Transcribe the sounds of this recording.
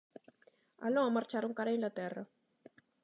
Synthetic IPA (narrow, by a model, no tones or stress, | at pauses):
a̰lːɔamart͡ʃaɾuŋkaɾinlat̪ɛrːa̰